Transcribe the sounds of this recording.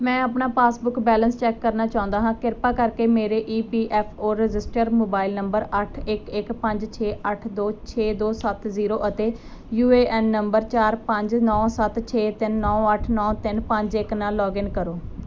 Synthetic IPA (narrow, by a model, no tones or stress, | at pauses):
mɛ̃ːəpnaːpaːsbʊkbɛːlənst͡ʃɛːkːəɾnaːt͡ʃaːʊ̃nd̪aːɦãːkɪɾpaːkəɾkeːmeːɾeːʔiːpiːʔɛːpʰoːɾɪzɪsʈəɾmoːbaːɪlnəmbəɾəʈʰɪkɪkpə̃ɲd͡ʒt͡ʃʰeːʔəʈʰd̪oːt͡ʃʰeːd̪oːsət̪ziːɾoːʔət̪eː | juːeːʔɛːnːəmbəɾt͡ʃaːɾpəɲd͡ʒnɔ̃ːsət̪t͡ʃʰeːt̪ɪnːɔ̃ːəʈʰnɔ̃ːt̪ɪnpə̃ɲd͡ʒɪknaːlɔːɡɪnkəɾoː